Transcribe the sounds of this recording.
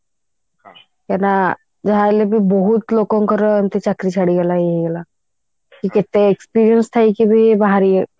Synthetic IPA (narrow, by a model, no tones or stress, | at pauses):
kɛna | d͡ʒaɦaelebʱibɔɦut̪lokõŋkɔɾent̪it͡ʃakɾit͡ʃʰaɽiɡɛlaiɡɛla | kiket̪eekspiɾijənst̪ʰaikibʱibaɦaɾi